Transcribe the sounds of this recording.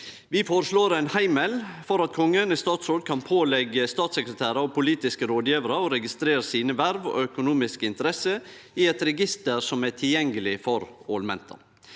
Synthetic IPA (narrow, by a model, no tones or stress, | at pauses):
ʋɪfoːɾəʂloːɾɛɪnhæɪmɛlfɔɾɑt̪̚kʰɔŋːənɪst̪ɑːt̪sɾoːɖ̪kʰɑnpʰoːlɛɡəst̪ɑːt̪səkɾət̪ʰæːɾəɔpʰʊliːt̪ɪskəɾoːd̪jiːʋəɾəɔɾɛɡɪst̪ɾeːɾəsiːnəʋæɾʋɔ̰œkʊnuːmɪskəɪnt̪əɾɛsə | ɪɛt̪ɾɛɡɪst̪əɾsɔmæʈʰɪljɛŋɡəlɪfɔɾoːlmɛ̰nt̪ʰɑ̰